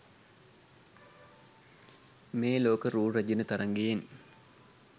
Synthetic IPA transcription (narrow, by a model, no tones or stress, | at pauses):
meːloːkəɾuːrɐd͡ʒinət̪ɐɾɐŋɡejen